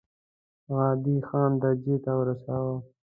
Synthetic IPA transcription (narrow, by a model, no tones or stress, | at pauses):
ɣɑːd̪ixɑːnd̪ad͡ʒeːt̪awəɾasawa